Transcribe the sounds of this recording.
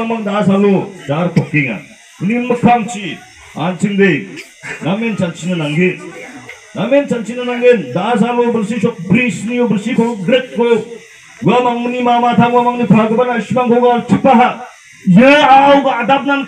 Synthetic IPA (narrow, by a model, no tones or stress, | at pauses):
amaŋd̪aasalod͡ʒaɾpʰɔk̚keŋa̰ | ninmɐkʰaŋt͡ʃi | a̰nsʰiŋdej | nament͡ʃant͡ʃinɐnaŋɡen | nament͡ʃant͡ʃinanaŋɡend̪aas̬alobɐɾsisɔk̚bɾisniobɐɾsikʰoɡɾek̚ːojo | ɡamaŋmnimamat̪ʰaŋwamaŋnipʰaɡɯbanasimaŋkʰowɡatʰipːaɦa | jɯawɡaadap̚naŋ